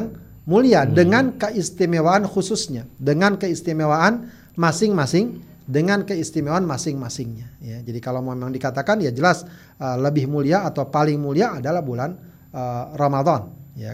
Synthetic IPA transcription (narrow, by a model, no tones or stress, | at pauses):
ŋ | muliadəŋankəʔist̪imewaːnxususɲadəŋankəist̪imewaan | masɪŋmasɪŋ | dəŋankəist̪imewanmasɪŋmasɪŋɲajad͡ʒadikalawmemaŋdikat̪akanjad͡ʒəlas | ələbɪhmuliaːt̪awpalɪŋmuliaːdalahbulan | ərɑmad̪ˤɑnja̰